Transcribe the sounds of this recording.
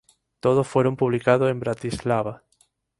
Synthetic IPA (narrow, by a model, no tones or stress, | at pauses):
t̪oð̞osfweɾompuβ̞likaðosembɾat̪izlaβa